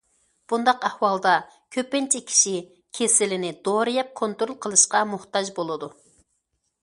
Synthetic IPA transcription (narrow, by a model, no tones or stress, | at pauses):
b̥und̪ɑqæhwɑlˠd̪ɑ | kʲʰøpɪnt͡ʃʰɛkʲʰi̥ʃi | kʲʰesɪlɪnɪd̪oɾɨjɛp̚kʰont̪ɾolˠqʰəlˠɨʃqɑmuht̪ɑd͡ʒbolˠɨd̪u